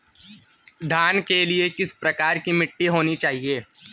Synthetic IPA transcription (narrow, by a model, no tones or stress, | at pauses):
ɖʱaːnkeliekɪspɾɐkaːɾkimɪʈːiɦoːnit͡ʃaːɦieː